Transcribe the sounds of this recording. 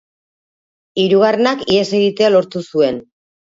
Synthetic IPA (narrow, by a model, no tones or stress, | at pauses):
iɾuɣ̞are̞nakiese̞ɣit̪e̞alo̞ɾt̪usue̞n